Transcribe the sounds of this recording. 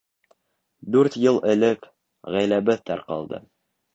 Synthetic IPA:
d̪ʉɾt̪jɤlˠɘ̆lɘk | ʁæjlæbɘðt̪æ̰ɾqɑ̰lˠd̪ɤ̰

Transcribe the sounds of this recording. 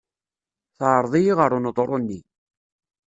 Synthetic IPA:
θʕɾˤðˤijiʁəɾˤunəðˤɾˤonːi

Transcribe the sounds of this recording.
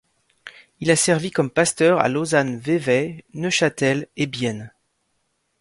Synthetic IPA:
ilasɛʁvikɔmpast̪œʁa̰lozanvevɛnəʃat̪ɛlebjɛn

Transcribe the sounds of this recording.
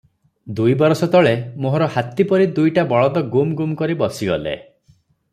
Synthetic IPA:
d̪ujbɔɾɔsɔt̪ɔɭemoɦɔɾɔhat̪ipɔɾid̪ujʈabɔɭɔd̪ɔɡumɡumkɔɾibɔsiɡɔlḛ

